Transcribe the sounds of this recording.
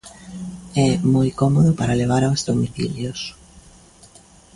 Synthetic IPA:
ɛmɔjkɔmoðʊpaɾaleβ̞aɾawzðomiθḭljos

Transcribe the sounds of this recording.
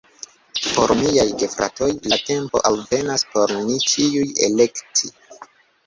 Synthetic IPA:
po̞ɾmiajɡe̞fɾa̰to̞jlate̞mpo̞̰ʔalve̞naspo̞ɾnit͡ʃiujḛle̞kti

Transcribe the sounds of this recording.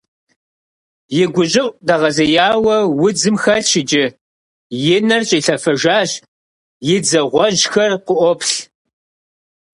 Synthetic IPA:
jɪɡʷʊɕʼɪʔʷʼdaʁɐzɐjaːwɐwʊd͡zɨmxɐɬʃɪd͡ʒɪ | jenɐrɕʼiɬɐfɐʒaːʒ | jɪd͡zɐʁʷɔʒxɐrqʷʊʔʷɔpɬ

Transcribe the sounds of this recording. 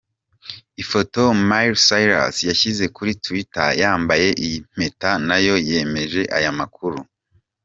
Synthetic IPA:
ifo̞to̞majɾsajɾa̰sjaçize̞kuɾituwita̰jaːmbaje̞ʔim̥e̞tanajo̞je̞me̞ʒe̞ʔa̰jamakuɾu

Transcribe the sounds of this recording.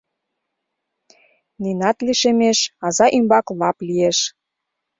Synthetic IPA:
ninɑt̪liʃemeʃɑzɑʔymbɑklɑplieʃ

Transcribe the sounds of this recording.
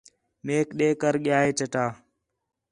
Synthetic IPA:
meːkɗeːkəɾɠɪjaːeːt͡ʃəʈaː

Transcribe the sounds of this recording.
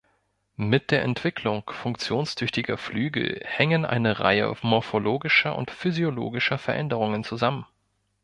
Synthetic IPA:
mɪt̚d̥eːɐʔɛntv̥ɪkʰlʊŋfʊŋkt͡sjoːnstʰʏçtɪɡɐflyːɡl̩hɛŋənʔa̰ɪnəʁa̰ɪə̰mɔɐfoloːɡɪʃɐʔʊ̰ntfyzjolo̰ːɡɪʃɐfɛɐʔɛ̰ndəʁ̞ʊŋənt͡suzamən

